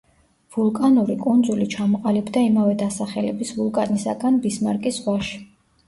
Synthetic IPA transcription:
vulˠkʼanuɾikʼund̪zulit͡ʃʰamɔqʼalibd̪aimavɛd̪asaχɛlɛbisvulˠkʼanisa̰ɡanbismaɾkʼisʁwaʃi̥

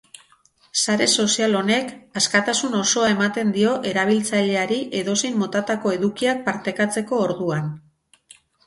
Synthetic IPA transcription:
saɾe̞so̞sialo̞ne̞kaskat̪asuno̞so̞ae̞mat̪e̞nd̪io̞ʔe̞ɾaβ̞ilt͡saʎe̞aɾiʔe̞ðo̞se̞jmːo̞t̪at̪ako̞e̞ðukiak̚paɾt̪e̞kat͡se̞ko̞ːɾðuan

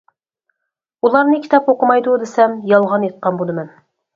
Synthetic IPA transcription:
ulˠɑɾnɨkʲʰi̥t̪ʰɑpoqəmɑjd̪ud̪esɛmjɑlˠʁɑnjet̪̚qɑnbod̪ɨmɛn

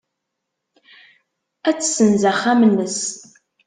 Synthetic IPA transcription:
æt͡sːsənzæχamənːəs

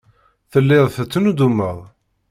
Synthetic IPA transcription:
θəlːɪðˤθət͡sːnud̪umːəðˤ

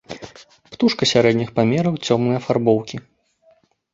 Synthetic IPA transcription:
pt̪uʂkɐsʲaɾɛd̪ʲnʲixpamʲɛɾɐwt͡sʲɔmnɨjɐfarbɔwkʲi

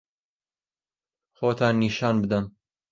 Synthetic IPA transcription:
xoːt̪ʰɑːnːiːʃɑːnbɨd̪ɐm

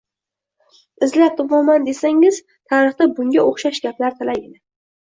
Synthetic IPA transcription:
ɪzlat̪ʊpɒmand̪e̞saŋɪz̥ | t̪ʰaɾɨχt̪abʊŋɡʲaoχʃaʃɡʲaplaɾt̪ʰalaɡɪd̪ɪ

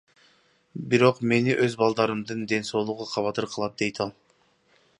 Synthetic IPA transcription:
biɾo̞qme̞niʔøzbɑlˠd̪ɑɾɯmd̪ɯnd̪e̞nso̞ːlˠuʁuqʰɑβɑt̪ɯɾqʰɯlˠɑt̪̚d̪e̞jt̪ɑlˠ

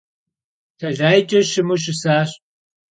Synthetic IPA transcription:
tʰɐɮaːjt͡ʃʼɐʃɪmuʃ̬ɪsaːɕ

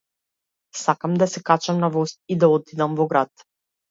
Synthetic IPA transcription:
sakamd̪asɛkat͡ʃamnavɔst̪̚id̪aɔt̪id̪amvɔɡɾat̪

